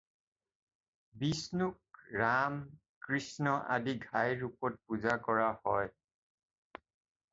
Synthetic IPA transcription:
bisnuk̚ɹam | kɹisnɔʔa̰diɡʱajɹupɔt̚puzakɔɹahɔj

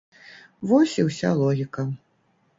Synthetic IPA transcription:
vɔsʲiwsʲa̰lˠɔɣʲikɐ

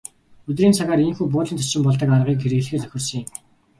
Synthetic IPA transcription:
ɵt̪riːnt͡sʰaɣaːɾeŋxuːpʊːɮĭntʰɔ̥t͡ɕɪ̆mpɔɮt̪ə̆karʁiːkxeɾɘ̆ɣɮxeːt͡sœxʲɪ̆rsɞ̆ŋeŋ

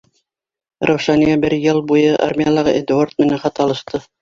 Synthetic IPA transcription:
ɾʔɑwʃɑnijɑbɘɾjɤlˠbujɤʔa̰rmʲijalˠɑʁɤʔed̪uort̪̚mɘ̆næχɑt̪ɑlˠɤ̆ʃt̪ɤ

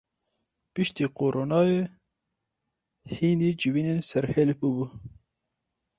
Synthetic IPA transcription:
piʃt̪iqoɾʔonɑːwe | hinid͡ʒiwinesaɾhelpubu

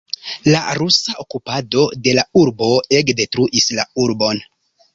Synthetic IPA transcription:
la̰ɾusaʔokupado̞de̞lauɾbo̞ekde̞tɾuʔisla̰uɾbo̞n

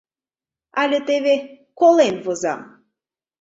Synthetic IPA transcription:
ɑlʲĕt̪eβʲe | kolˠenvozɑ̰m

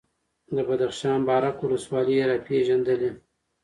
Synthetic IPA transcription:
d̪əbad̪axʃɑːnbɑɾakwʊləswɑlijeɾapʰeʒand̪əle

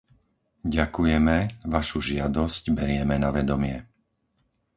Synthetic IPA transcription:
ɟakujɛmɛʋaʃuʒɪad̪ɔscbɛɾɪɛmɛnaʋɛd̪ɔmɪɛ

